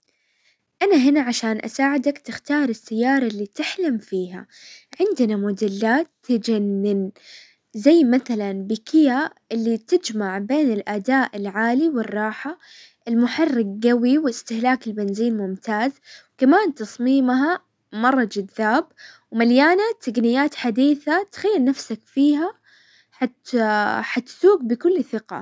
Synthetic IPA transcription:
ʔanaɦɪnaʕaʃaːnʔa̰saːʕɪd̪akt̪ɪxt̪ɑːɾˤɪsːajːɑːɾˤɑlːiːt̪ɪħlamfiːha̰ʕɪnd̪namʊd̪ɪlːaːt̪ːad͡ʒanːɪn | zajːmaθalanbɪkʰɪja | ʔɪlːit̪ɪd͡ʒmaʕbeːnɪlʔad̪aːʔɪlʕaːliwɪrˤːɑːħa | ʔɪlmʊħɑrːɪɡ̚ɡawiwɪɪst̪ɪhlaːkɪlbɪnziːnmʊmt̪aːzwkamaːnt̪ɑsˤmiːmɦa | mɑrˤːɑd͡ʒaðːaːbwmaljaːnat̪ːaɡnɪjaːt̪ħad̪iːθat̪xajːalnafsakfiːɦa | ħat̪ħat̪suːɡ̚bɪkʊlːθɪqa̰

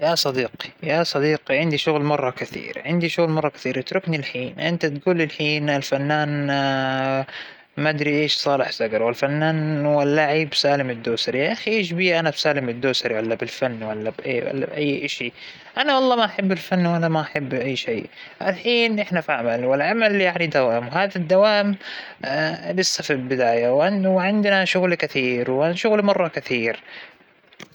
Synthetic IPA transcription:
jasˤɑd̪iːqi̥jasˤɑd̪iːqiʕɪnd̪iʃʊɣlmɑrˤːɑkaθḭːɾʕɪnd̪iʃʊɣlmɑrˤːɑkḁθiːɾʔɪt̪ɾʊknilħiːnʔɪnt̪at̪ɡuːlːɪlħiːnɪlfanːaːn | mad̪ɾiʔeːʃsˤɑːlɪħsaɡɑɾˤwɪlfanːaːnwalːaʕibsaːlɪmɪd̪ːuːsɑɾjaʔaxiʔeːʃ̬biːʔanabsaːlɪmɪd̪ːuːsɑɾˤwalːabɪlfanːwalːabʔḛːwa̰lːa̰bʔajːʔaʃi | ʔanawɑlˤːɑːmaʔaħabːɪlfanːwʔanamaʔaħabːʔajːʃeːʔalħiːnʔɪħnafaʕamalwɪlʕamaljaʕnid̪awaːʔɪmwhaːðad̪ːawaːʔɪm | lɪsːafilbɪd̪aːjawʕanwʕɪnd̪naʃʊɣlkɪθiːɾwanʃʊɣlmɑrˤːɑkaθiːɾ

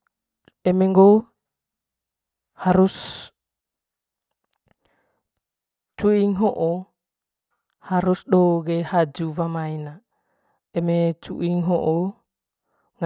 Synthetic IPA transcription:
ɛmɛŋɡo | haɾus | t͡ʃuiŋɦoʔo | haɾusɗoɡɛhad͡ʒuvamajna | ɛmet͡ʃṵʔiŋɦoʔo | ŋ

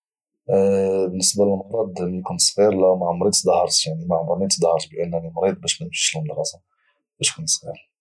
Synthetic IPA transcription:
bənːəsbaləlmʊɾˤɑd̪ˤmkunsˤfiɾlæwmaʕmɾid̪ˤt̪ːd̪ˤɑhɑɾˤʃjaʕnimaʕmɾˤɑnid̪d̪hɑɾˤʃbʔænːænimɾid̪̚ˤbæʃmænəmʃi̥ʃəlmd̪ɣɑsa | bæʃkunsˤfiɾ

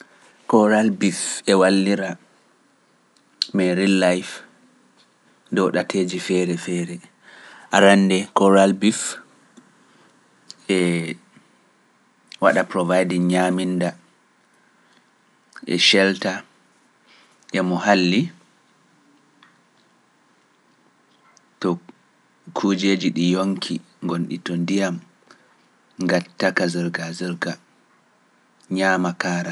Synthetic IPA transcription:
kɔɾalbifɛwalːiɾa | mɛɾilːajf | dɔɗatʰed͡ʒifɛɾɛfɛːɾɛ | ʔaɾandɛkɔɾalbif | ɛ | waɗapɾɔvajdiŋɲaːminda | ʔɛ̰ʃɛlta | ʔɛmɔhalːi | tɔ | kʰud͡ʒed͡ʒiɗijoŋkʰi | ŋɡonɗḭtɔndijam | ŋɡatːakazɛɾɡazɛɾɡa | ɲaːmakaːɾa

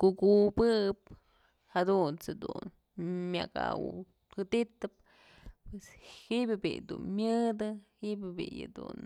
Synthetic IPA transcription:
kuɡubɨp̚ | had̪unt͡sɨd̪un | mʲja̰ɡa̰wɨ̰ | kɨd̪it̪ːɨp̚ | pweshiʔbʲɨbḭjd̪unmʲɨd̪ɨhibʲɨbḭjɨ̰d̪ṵn

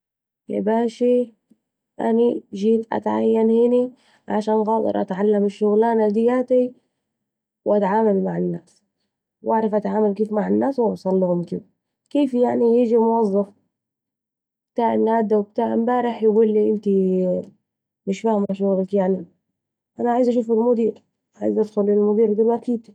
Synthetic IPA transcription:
ja̰baːʃi | ʔa̰niʒiːt̪ʔa̰t̪ʕa̰jːanhɪni | ʕaʃaːnɣɑːt̪ˤɑ̰ɾˤʔa̰t̪ʕalːamaʃːʊɣlaːnad̪ɪjːaːt̪i | wʔat̪ʕaːmalmaʕanːaːs | wʔaʕɾˤɑfʔat̪ʕaːmalkeːfmaʕanːaːswɑwsˤɑlːuhʊmkḭːb | keːfjaʕnijid͡ʒimʊwɑzˤːɑf | b̥t̪aːʔnːaːd̪awb̚t̪aːʔmbaːɾɪħjbʊlːiʔɪnt̪i | mɪʃfahmaʃ̬ʊɣlakjaʕni | ʔanaʕaːjzʔaʃ̬uːfalmʊd̪iːɾ | ʔaʕa̰ːjzʔad̪xʊlɪlmʊd̪iːɾd̪ilmʔakiːd̪

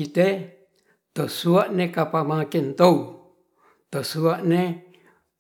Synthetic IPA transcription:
it̪e | t̪osuaʔnekapamakɛnt̪ou | t̪osuaʔne

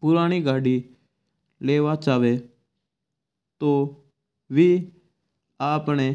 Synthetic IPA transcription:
pʊɾaːɽ̃iːɡaːɖiː | leːʋaːt͡ʃaːʋeː | t̪oː | ʋiː | aːpɳeː

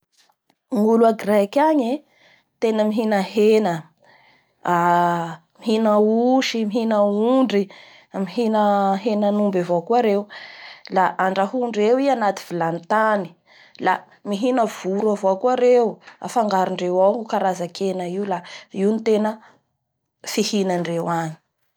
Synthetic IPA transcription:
ŋuluaɡrɛkʲaɲe | t̪enəmiɦinəɦenə | a | miɦinəuʃimiɦinəuɳɖ͡ʐi | miɦinəɦenənumbavokuaɾewlaʔaɳɖ͡ʐaɦuɳɖ͡ʐewianat̪i̥vilant̪ani̥ | la | miɦinəv̥uɾuavoakuaɾewua̰faŋɡaɾiɳɖ͡ʐewaŋukaɾazakʰenəiulaiunit̪enə | fihinaɳɖ͡ʐewani̥

